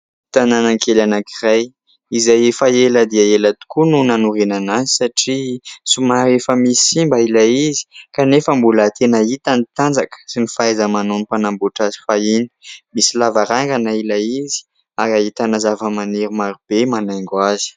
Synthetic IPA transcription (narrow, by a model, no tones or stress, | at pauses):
t̪ananaŋkʰelanakiraj | izajefaeləd̪iaelət̪u̥kununanuɾinanazisaʈ͡ʂisumaɾefəmisi̥simbailaizi̥kanefəmbulat̪ʰenəit̪anit̪and͡zakə̥sinifaazəmanonipanambuʈ͡ʂazi̥faini̥misilavaɾaŋɡanailaizi̥ | arait̪anazavəmaneɾimaɾib̥emanajŋɡwazi̥